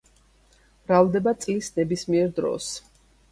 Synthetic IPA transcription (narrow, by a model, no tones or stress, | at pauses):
b̥ɾavd̪ɛbat̪sʼlisnɛbismiɛɾd̪ɾɔ̰s